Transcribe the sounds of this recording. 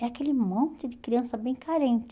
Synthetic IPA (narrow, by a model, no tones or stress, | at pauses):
ɛakelɪmõnt͡ʃɪd͡ʒɪkɾiɐ̃sɐbẽj̃kaɾẽnt͡ʃ